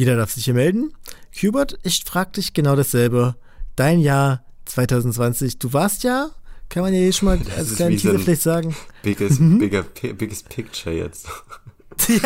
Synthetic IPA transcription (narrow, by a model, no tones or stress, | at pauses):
jeːdɐdaɐfz̥ɪçhiːɐmɛldn̩kʰjuːbɐɐtɪçfʁ̥aːɡ̚əd̥ɪçɡ̥ənaʊɾasz̥ɛlbə | d̥aɪnjaːɐt͡sv̥aɪtʰaʊzn̩tt͡sv̥ant͡sɪçd̥uːvaɐstjaːkʰanmanjaːʔeːʃoːnmaːla̰lsslaɪnːʰizəfɪlaɪtz̥aːɡŋ̩b̥ɪɡəbɪɡɐpʰɪbɪɡəspʰɪkt͡ʃɐjɛ̰t͡st | ja